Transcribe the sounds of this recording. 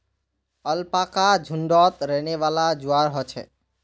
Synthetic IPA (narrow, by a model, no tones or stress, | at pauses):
əlpakad͡ʒʱuɳɖɔt̪ɾɛneʋalad͡ʒuaɾɦɔt͡ʃʰɛ̰